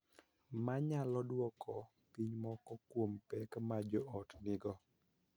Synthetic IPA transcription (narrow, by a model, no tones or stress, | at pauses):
maɲalɔdwɔkʰɔ | piɲmɔkɔkwompɛkmad͡ʒɔʔɔtnɪɡɔ